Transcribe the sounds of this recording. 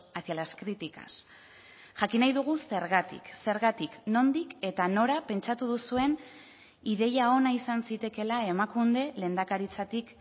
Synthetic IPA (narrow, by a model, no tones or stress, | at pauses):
asθjalaskɾit̪ika̰s | ʝakinajðuɣ̞use̞ɾɣat̪ḭkse̞ɾɣat̪ikno̞nd̪ike̞t̪ano̞ɾape̞nt͡ʃat̪uð̞usue̞n | iðe̞jao̞naisansit̪e̞ke̞lae̞makund̪e̞le̞ːnd̪akaɾit͡sat̪ik